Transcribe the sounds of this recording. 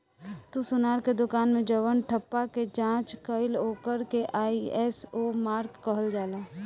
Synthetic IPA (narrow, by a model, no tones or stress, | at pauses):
t̪usʊnaːɾked̪ʊkaːnmẽd͡ʒəʋənʈʰəpːaked͡ʒãːt͡ʃkəɪloːkəɾkeʔaːiɛːsoːmaːɾkːəɦəld͡ʒaːlaː